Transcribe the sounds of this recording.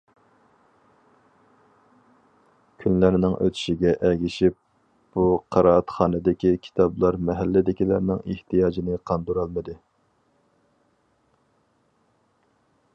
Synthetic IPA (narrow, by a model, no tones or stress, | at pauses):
kʲʰynlæɾnɪŋʔø̰t̪ʰy̥ʃiɡʲɛʔɛɡʲiʃip̚ | b̥uqʰɑɾɑːt̪χɑːnɨd̪ɪkʲikʲʰi̥t̪ʰɑblˠɑɾmɛɦælːɪd̪ɪkʲilæɾnɪŋeht̪ʰijɑːd͡ʒinɪqʰɑnd̪uɾɑlˠmɨd̪ɨ